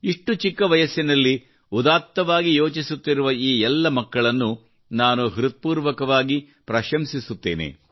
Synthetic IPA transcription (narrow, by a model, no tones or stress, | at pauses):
iʂʈut͡ʃikːɐʋɐjɐsːinɐlːi | ud̪aːt̪ːɐʋaːɡijoːt͡ʃisut̪ːiɾuʋɐiːɛlːɐmɐkːɐɭɐnːu | naːnuɦiɾut̪̚puːɾʋɐkɐʋaːɡi | pɾɐʃɐmsisut̪ːe̞̰ːnḛ